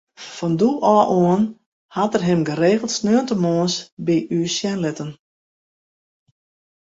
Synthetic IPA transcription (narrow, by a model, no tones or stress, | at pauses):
fɔnduʔɔːʔoən | hatərɦɪmɡəɾeːɣəlˠtsnøəntəmoənsbiʔyːsjɛnlɪtən